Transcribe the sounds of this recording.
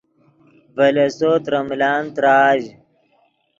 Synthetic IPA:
vɐlesoːt̪ɾɐmlaːnt̪ɾaːʑ

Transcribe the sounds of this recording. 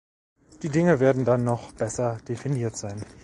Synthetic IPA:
d̥iːdɪŋəveːɐdn̩danːɔχb̥ɛsɐd̥efiniːɐtz̥aɪn

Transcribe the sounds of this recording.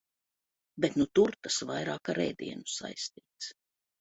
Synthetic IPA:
bet̪nut̪uɾt̪asvajɾaːkaɾɛ̰jd̪ḭɛnusa̰jst̪iːt̪s

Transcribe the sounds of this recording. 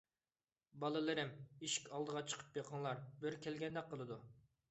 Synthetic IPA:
bɑlˠɨlˠɨɾɪmiʃi̥kʲɑlˠd̪əʁɑt͡ʃʰə̥qʰə̥pjɑqʰəŋlˠɑɾbɪɾkʲʰɛlɡʲɛnd̪ɛk̚qʰːəlˠɨd̪u

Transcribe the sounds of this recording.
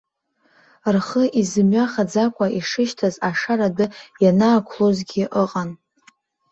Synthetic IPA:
rχəʔizɨmɥaχad͡zakʷʼaiʂɨʃtʰazaʂaɾadɨjanaːkʷʰlozɡʲɪʔəqʼan

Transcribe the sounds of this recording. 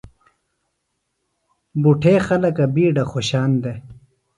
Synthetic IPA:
buʈʰeːxɐlɐkɐbiːɖaxoɕaːnd̪e

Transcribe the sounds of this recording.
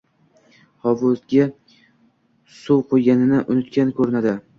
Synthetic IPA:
hɒvʊzɡʲa | suwqʰojɡʲanɪnɪʔʊnʊt̪kʲankʰɵɾɪnad̪ɪ

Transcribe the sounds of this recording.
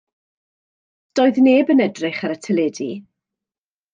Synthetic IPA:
d̥oːɨðneːbənɛdrɪχaɾətʰɛlɛdi

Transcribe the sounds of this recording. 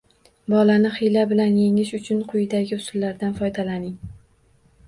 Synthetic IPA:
bɒlanɪχɪjlabɪlanjeŋɪʃʊt͡ʃʰʊnqʰʊjɪd̪aɡʲɪʊsʊlːaɾd̪anfɒjd̪alanɪŋ

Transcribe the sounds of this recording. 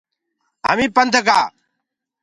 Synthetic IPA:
ɦə̰mĩːpənd̪ʱəkaː

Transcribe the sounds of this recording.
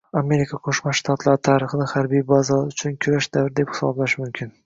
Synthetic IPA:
ame̞ɾɪkʰaqʰoʃmaʃt̪ʰat̪lˠaɾt̪ʰaːɾɪχɨnɪhaɾbijbazɒʊt͡ʃʰʊnkʲʰʊɾaʃd̪avɾd̪e̞phɪ̥sɒ̰blaʃmʊmkʲʰɪn

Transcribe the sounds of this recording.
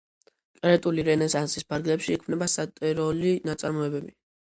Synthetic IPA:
kʼɾɛt̪ʼuliɾɛnɛsansispʰaɾɡlɛpʃiːkʰmnɛbasat̪ʼɛɾɔlinat̪sʼaɾmɔɛbɛbi

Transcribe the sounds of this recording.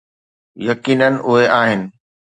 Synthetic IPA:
jɐkiːnənɪ̆ʔʊɦeaːɦɪnɪ̆

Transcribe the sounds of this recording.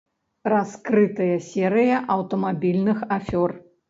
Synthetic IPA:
raskɾɨt̪ɐjɐsʲɛɾɨjɐʔɐwt̪ɐmabʲilʲnɨxafʲɔr

